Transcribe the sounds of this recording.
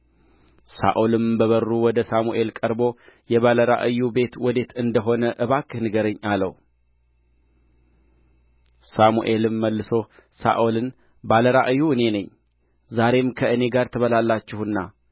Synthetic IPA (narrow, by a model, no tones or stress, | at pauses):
sa̰ʔolɨmbəβərːuwɔd̪əsamuʔe̞lkʼəɾbo̞jɛβaləɾa̰ʔɨjːube̞t̪wɔd̪e̞t̪ɨnd̪əɦo̞nəʔɨβakːɨhnɨɡəɾəɲːalə̰w | samuʔe̞lɨmːəlːɨso̞ | sa̰ʔolɨn | baləɾaʔɨjːuɨne̞nəɲː | zaɾe̞mkʰəʔɨne̞ɡaɾt̪ʰəβəlalːat͡ʃːɪhɨnːa